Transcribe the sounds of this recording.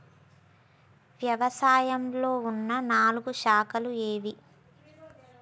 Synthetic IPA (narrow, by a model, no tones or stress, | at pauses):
ʋjɐʋɐsaːjɐmlo̞ːunːɐnaːluɡuʃaːkɐlueːʋi